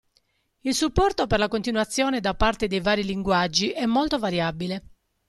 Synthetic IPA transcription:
ilsupːɔrt̪operlakont̪inwat̪sːjɔːned̪apːart̪ed̪ejvaːɾiliŋɡwad͡ʒːiʔɛmːolt̪ovaɾjabile

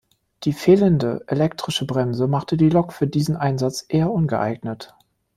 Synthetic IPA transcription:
d̥iːfeːləndəʔelɛk̚tʁ̥ɪʃəbʁɛmzəmaχtədiːlɔkfyːɐdiːzn̩ʔaɪnzat͡sʔeːɐʔʊnɡəʔa̰ɪɡnət

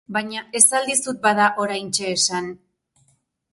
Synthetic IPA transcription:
baɲae̞sald̪isut̪̚baðaʔo̞ɾajnt͡ʃe̞ːsan

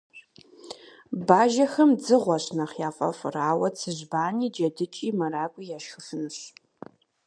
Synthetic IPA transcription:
baːʒɐxɐmd͡zɨʁʷɔɕnɐχjaːfʼɐ̰fʼraːwɐt͡sʰɨʑbaːniːd͡ʒɐdɨt͡ʃʼiːmɐraːkʷʼijaːʃxɨfɨnɨɕ

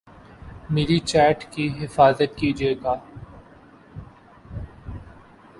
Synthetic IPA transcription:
meːɾit͡ʃɛːʈkiɦɪfaːzət̪kiːd͡ʒieːɡaː

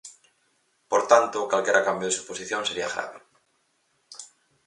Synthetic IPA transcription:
poɾt̪ant̪okwalkjeɾakambjoð̞esuposiθjoŋseɾiaɣɾa̰βe

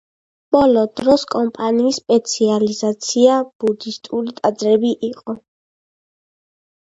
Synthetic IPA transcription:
b̥ɔlɔd̪ɾɔskʼɔmpʼaniːsːpʼɛt̪sʰializat̪sʰiab̥ud̪ist̪ʼulit̪ʼad̪zɾɛbiʔiqʼɔ

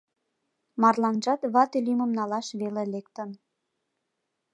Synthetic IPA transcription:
mɑrlɑnʒɑt̪βɑt̪yliməmnɑlɑʃβelelekt̪ən

